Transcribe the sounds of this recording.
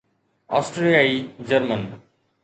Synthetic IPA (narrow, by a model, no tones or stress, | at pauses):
ɔsʈɾeiaid͡ʑəɾmən